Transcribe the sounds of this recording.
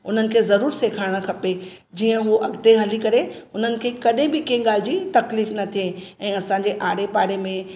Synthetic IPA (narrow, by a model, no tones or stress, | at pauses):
ʊn̤ənɪ̆kʰeːzɐɾuːɾseːkʰaːɪɽ̃kʰɐped͡ʑiːə̃ɦuoʔɐɡd̪eɦɐlikɐɾeʊn̤ənɪ̆kʰeːkɐɗẽbɪkẽɠaːl̤ɪd͡ʑiːt̪ɐkliːfnɐt̪ʰieɛ̃ːɐsãːɲ̆d͡ʑeʔaːɽepaːɽemẽ